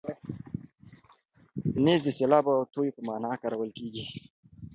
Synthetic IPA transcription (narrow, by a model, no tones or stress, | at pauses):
nezd̪əselɑbawt̪ojpəmɑːnɑkaɾawəlkeɡi